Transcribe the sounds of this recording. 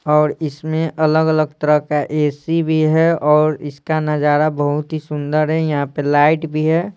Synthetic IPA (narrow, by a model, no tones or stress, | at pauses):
ɔːɾɪsmẽʔɐləɡələɡ̚t̪əɾəɦkaʔeːsibʱiɦɛɔːɾɪskanəd͡ʒaːɾabəɦʊt̪ɦisʊ̃nd̪əɾɦɛjɐɦãpəlaːɪʈbʱiɦɛː